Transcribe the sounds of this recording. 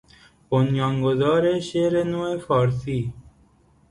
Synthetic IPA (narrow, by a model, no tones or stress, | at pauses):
ponjɔːŋɡozɔːɾeʃeːɾenoːefɔːɾsiː